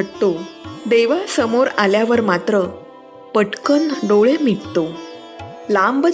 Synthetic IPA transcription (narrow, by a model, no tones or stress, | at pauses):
ɽt̪od̪eʋasəmoɾaljaʋəɾmat̪ɾə | pəʈkənɖoɭemiɽt̪o | lambə